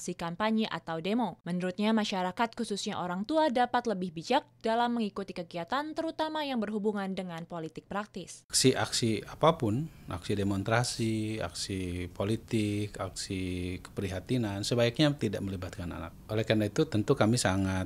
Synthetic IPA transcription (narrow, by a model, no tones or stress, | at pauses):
ksikampaɲiʔa̰t̪awdemomənuɾut̪̚ɲamaʃaɾakat̪̚kususɲaʔoɾaŋt̪uadapat̪ləbɪhbid͡ʒak̚d̥alamːəŋikut̪ikəɡiat̪ant̪əɾut̪amajaŋbərɦubuŋandəŋanpolit̪ɪk̚pɾak̚t̪ɪsksiʔaksiapapʊnʔa̰ksidemonst̪ɾasia̰ksipʰolit̪ɪkaksikə̥pəɾiɦat̪inansəbaak̚ɲat̪idaʔ̚məlibat̪̚kana̰na̰k̚ʔolehkarnait̪ut̪ənt̪ukamisaŋa